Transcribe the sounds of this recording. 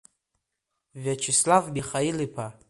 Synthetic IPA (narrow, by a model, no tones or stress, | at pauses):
vʲat͡ʃʰislavbʲiχailipʰa